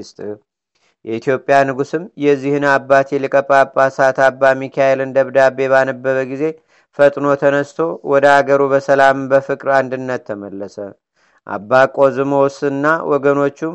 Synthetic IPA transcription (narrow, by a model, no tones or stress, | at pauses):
st̪ʼ | jɛit̪ʰijo̞pʼːjanɨɡusɨmjɛzːihɨnabːat̪ʰelikʼəpʼapʼːasat̪abːamikʰaelɨnd̪əβd̪abːe̞βanəbːəβəɡize̞ | fət̪ʼno̞t̪ʰənəst̪ʰo̞wɔd̪əhaɡəɾuβəsəlambəfɨkʼɾand̪ɨnːət̪ʰːəməlːəsə | ʔa̰bːakʼo̞zɨmo̞wsɨnːawɔɡəno̞t͡ʃːum